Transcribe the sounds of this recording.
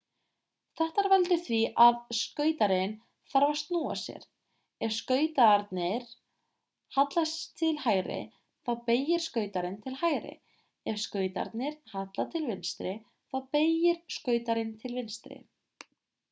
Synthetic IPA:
θɛht̪aɾvɛlt̪ʏθviʔaðskœːɥt̪aɾɪn | θaɾvast̪nuːa̰sjɛ̰ɾ̥ | ɛvskœːɥt̪aɾt̪nɪɾ̥ | hat̪last̪ʰɪlhaːjɾɪ̰ | θawpeːjɪɾ̥skœːɥt̪aɾɪnt̪ʰɪlhaːjɾɪ̰ | ɛvskœːɥt̪a̰ɾt̪nɪɾ̥hat̪lat̪ʰɪlvɪnst̪ɾɪ | θawpeːjɪɾ̥skœːɥt̪aɾɪnt̪ʰɪlvɪnst̪ɾɪ̰

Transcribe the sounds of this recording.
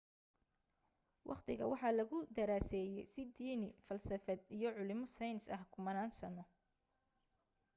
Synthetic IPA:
wʔɑ̰qt̪ʰɪɣɐ̰wɑħɑːlɐɣʊd̪ɐɾaːsɛːjɛjsɪd̪iːnɪfɐlsɐfɛd̪ijɞʕʊlɪmɔsɐjnɪsɐhkʰʊmɐnaːnsɐnɔ

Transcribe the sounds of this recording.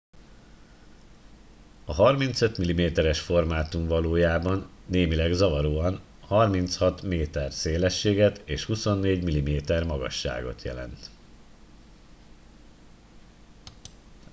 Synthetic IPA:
ɒɦɒrmint̪sø̞t̪milimeːt̪ɛɾɛʃfo̞rmaːt̪umvɒloːjaːbɒnːeːmilɛɡzɒvɒɾoːɒn | hɒrmint̪shɒt̪meːt̪ɛrseːlɛʃːeːɡɛt̪eːʃhuso̞nːeːɟmilimeːt̪ɛrmɒɡɒ̰ʃːa̰ːɡo̰t̪jɛ̰lɛ̰nt̪

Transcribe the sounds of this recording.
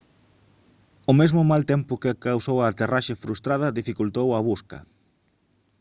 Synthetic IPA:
ʊmezmʊmalt̪ɛmpʊkɪkawsowat̪eraʃefɾust̪ɾað̞ɐðifikult̪owɐβ̞uskɐ̰

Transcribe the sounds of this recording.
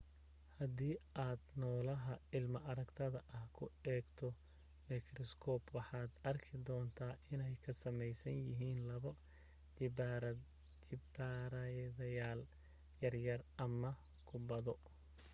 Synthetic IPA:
hɐd̪iːaːd̪nɔːlɐɦɐɪlmɐʔɐɾɐɡt̪ʰɐðɐʔɐhkʰʊɛːɡt̪ʰɔ | mɪkʰɾɔskʰɔːbwɑħɑːd̪ɐrkʰɪd̪ɔːnt̪ʰaːʔɪnɛjkʰɐsɐmɛjsɐnjɪɦiːnlɐβɔ | b̪ | ɪbaːɾɐjðɐjaːl | jɐrjɐrʔɐmɐ | kʰʊbɐðɔ

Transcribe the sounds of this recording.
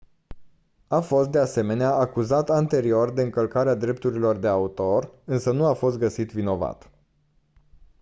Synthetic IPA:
afo̞st̪d̪ease̞me̞neaʔakuzat̪ant̪e̞ɾio̞rd̪e̞ɨŋkəlkaɾead̪ɾe̞p̚t̪uɾilo̞rd̪e̞aut̪o̞rɨnsənuafo̞st̪̚ɡəsit̪vino̞va̰t̪

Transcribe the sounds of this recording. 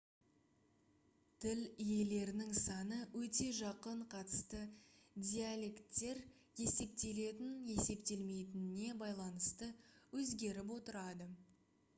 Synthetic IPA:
t̪ʰɪlije̞le̞ɾɪnɪŋsɑnəwɵt̪e̞ʒɑqəɴqʰɑt̪ə̥st̪əd̪ʲijalʲe̞kt̪ːe̞ɾ | je̞se̞p̚t̪e̞le̞t̪ɪnje̞se̞pt̪e̞lme̞jt̪ɪnɪne̞bɑjlˠɑnəst̪əwɵzɡʲe̞ɾɪp̬wo̞t̪əɾɑd̪ə

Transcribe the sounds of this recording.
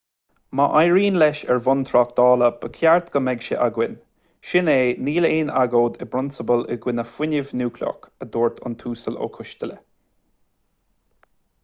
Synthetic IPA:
maʔajɹiːnlɛʃɛɹvʊnt̪ʰɾɔk̚d̪̥ɔːləb̥əkʰjaɹt̪ɡ̥əmɛɡʃə̰ʔaɡwɪn | ʃɪneːniːleːnaɡoːd̪ɪbɾʊnsəbəlɪ̰ɡwɪnəfwɪnɪvnuːkʰlʲɔ̰kəd̪oːɹt̪ʰʊ̰nt̪ʰuːsəlo̰ːkʰʊʃt̪ələ̰

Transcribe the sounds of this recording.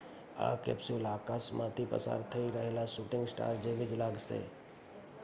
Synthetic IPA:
a̰ːkḛːpsjolaːkasmʔãːt̪ʰipə̰sa̰ːɾt̪ʰəiɾəɦeːlasuːʈɪ̃ŋɡsʈa̰ːɾd͡ʒeːʋɪd͡ʒlaːɡsḛː

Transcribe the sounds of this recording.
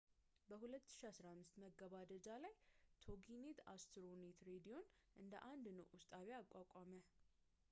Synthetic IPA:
bəhulət̪ːɨ̥ʃiasɾamːɨst̪məɡːəβad̪əd͡ʒalajt̪ʰo̞ɡinet̪ast̪ʰɾonet̪ʰɾed̪ijo̞n | ʔɨnd̪ə̰ʔand̪nəwʔust̪ʼaβjakʷʼakʷʼamə

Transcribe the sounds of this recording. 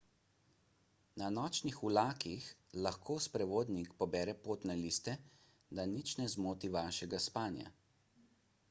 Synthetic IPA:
nanɔːt͡ʃnixulaːkixlaxkʰoːspɾɛʋoːd̪nikpɔbɛːɾɛpoːt̪nɛliːst̪ɛ | d̪anit͡ʃnɛzmoːt̪iʋaːʃɛɡaspaːnja̰

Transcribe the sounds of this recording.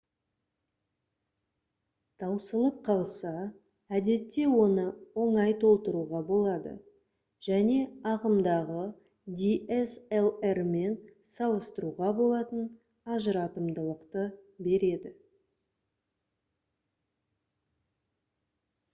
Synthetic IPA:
t̪ʰɑwsəlˠəp̚qʰɑlˠsɑ | æd̪e̞t̪ːe̞wo̞nəwo̞ɴɑjt̪ʰo̞lˠt̪əɾuʁɑbo̞lˠɑd̪ə̰ | ʒ̥æne̞ɑʁəmd̪ɑʁə | d̪ʲieselerme̞nsɑlˠəst̪əɾuʁɑbo̞lˠɑt̪ən | ɑʒəɾɑt̪əmd̪əlˠəqt̪əbe̞ɾe̞d̪ɪ

